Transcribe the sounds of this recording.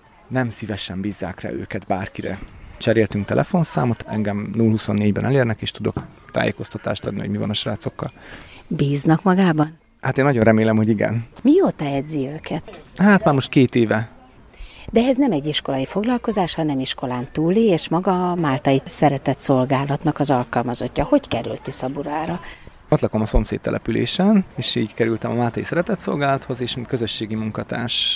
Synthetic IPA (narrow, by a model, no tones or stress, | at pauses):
nɛmsivɛʃɛmbiːzːa̰ːkra̰ːø̰ːkɛt̪baːrkiɾɛ̰t͡ʃɛɾeːlt̪yŋkt̪ɛ̰lʔɛ̰fo̞nsa̰ːmot̪ɛŋɡɛmnulɦuso̞nːeːɟbɛ̰nɛleːrnɛkeːʃt̪ud̪o̞̰k | t̪a̰ːjḛːko̞st̪ɒt̪a̰ːʃt̪ɒd̪nihoɟmivɒ̰nɒʃraːt̪so̞kːɒlbiːznɒkmɒɡaːbɒn | hat̪eːnːɒɟonrɛmeːlɛmho̞ɟiɡɛ̰nmiot̪ɒɛd̪ziøːkɛt̪haːt̪maːrmo̞ʃt̪̚keːt̪eːvɛ | d̪ɛɛznɛmɛɟːiʃko̞lɒjifo̞ɡlɒlko̞zaːʃhɒnɛmiʃko̞laːnt̪uːlieːʃmɒɡɒːmaːlt̪ɒjisɛɾɛt̪ɛt̪so̞lɡaːlɒt̪nɒkɒzɒlkɒlmɒzo̞̰cːɒho̞ckɛɾy̰lt̪isɒbuɾaːɾɒ | ot̪lɒko̞mɒso̞mseːt̪ːɛ̰lʔɛ̰pylḛːʃɛneːʃiːɟkɛɾylt̪ɛmɒmaːlt̪ɒjisɛɾɛt̪ɛt̪so̞̰lɡaːlɒt̪ho̞zeːʃkøzøʃːeːɡimuŋkɒt̪a̰ːʃ